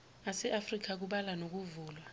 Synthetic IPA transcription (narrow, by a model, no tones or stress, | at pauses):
asɛʔafrik̬ak̬uɓalanok̬uvuːlwa